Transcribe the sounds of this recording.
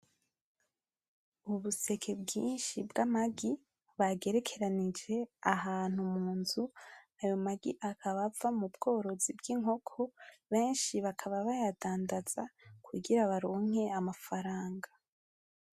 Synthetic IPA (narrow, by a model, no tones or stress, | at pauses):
uβuse̞kʰe̞bɡiːnʃibɡamaɡi | βaɡe̞ɾe̞kʰe̞ɾanid͡ʒe̞aɦaːn̥humuːnzu | ajo̞maɡḭʔakʰaβavamubɡ̥o̞ːɾo̞zibɡiŋɦo̞kʰo̞βe̞ːnʃiβakʰaβaβajadaːndaz̥akʰuɡiɾaβaɾo̞ːŋ̥e̞amafaɾaːŋɡa